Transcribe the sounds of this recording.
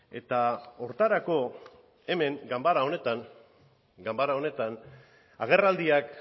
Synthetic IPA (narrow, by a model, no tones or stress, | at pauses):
e̞t̪ao̞ɾt̪aɾako̞ | e̞me̞ŋɡambaɾao̞ne̞t̪an | ɡambaɾao̞ne̞t̪an | aɣ̞e̞rald̪iak